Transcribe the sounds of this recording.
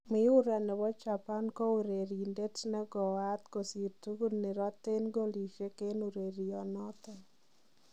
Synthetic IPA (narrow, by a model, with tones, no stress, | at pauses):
mɪ˦u˦ɾa˨nɛ˨wɔ˦t͡ʃa˨pa˦nkɔ˦u˨ɾe˨ɾi˨nde˦tnɛ˦ɡɔ˨a˦t̪ko˨si˨tu˦ɡu˦nɪ˨ɾɔ˦t̪e˦nɡo˦li˨ʃe˦ke˦nu˨ɾe˨ɾi˨ɔ˨nɔ˦t̪ɔ˦